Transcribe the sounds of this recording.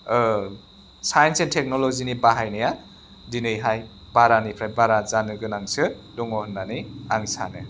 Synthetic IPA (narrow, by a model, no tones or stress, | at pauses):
sajnsentʰek̚nolɔzinibaɦajnɯja | dinɯjɦaj | baɾanipʰɾajbaɾazanɯɡɯnaŋsɯdɔŋɔhɔnːaniaŋsa̰nɯ